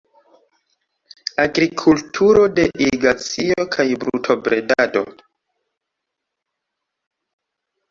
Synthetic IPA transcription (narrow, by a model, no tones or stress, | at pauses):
aɡɾikʰultʰuɾo̞de̞ʔiɡat͡sio̞kʰajbɾṵtʰo̞bɾe̞dado̞̰